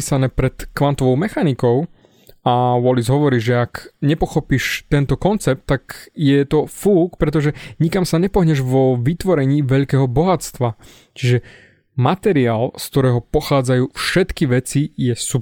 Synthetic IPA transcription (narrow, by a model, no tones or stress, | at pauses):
isanɛːpɾɛt̪kʋant̪ɔʋɔʊmɛxanikɔʊ | awɔlizɦɔʋɔɾiːʒɛakɲɛpɔxɔpiːʃt̪ɛnt̪ɔkɔnt͡sɛp̚t̪ːakjɛt̪ɔfuːkpɾɛt̪ɔʒɛɲikamsaɲɛpɔɦɲɛʒʋɔʋit̪ʋɔɾɛɲiːʋɛʎkɛːɦɔbɔɦat͡st̪ʋa | t͡ʃiʒɛ | mat̪ɛɾiaːlskt̪ɔɾɛːɦɔpɔxaːd͡zajuːfʃɛt̪kiʋɛt͡sijɛsup